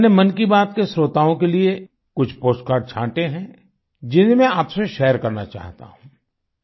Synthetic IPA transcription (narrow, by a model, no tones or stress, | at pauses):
nemɐnkibaːt̪kesɾoːt̪aːõkelie | kʊt͡ʃʰpoːsʈkaːɾɖ̚t͡ʃʰãːʈeɦɛ̃ | d͡ʒɪnemɛ̃aːpseʃɛːəɾkɐɾna̰t͡ʃa̰ːɦt̪a̰ɦũː